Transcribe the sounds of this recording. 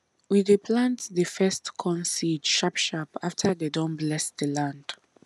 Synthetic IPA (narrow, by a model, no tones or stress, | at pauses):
widepʰlãntðəfɛstkʰɔ̃nsidʃapʃapaftʰədedɔ̃mblɛsðəlãnd̥